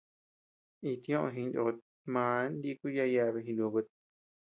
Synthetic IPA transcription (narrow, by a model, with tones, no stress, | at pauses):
i˧t̪ĩ˧õ˦ʔõ̰˧ɦĩ˧ndo˧ | mã˨˧˦nd̪i˧˦˧ku˦ja˧ja˧βe˧ɦĩ˧nũ˧βɨ˧t̪̚